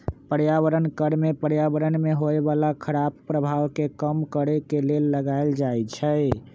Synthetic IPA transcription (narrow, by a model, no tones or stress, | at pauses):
pəɾjaβəɾənkəɾmepəɾjabəɾənmeɦoebalakʰəɾabpɾəbʱawkekəmkəɾekelelːəɡaeld͡ʒajt͡ʃʰə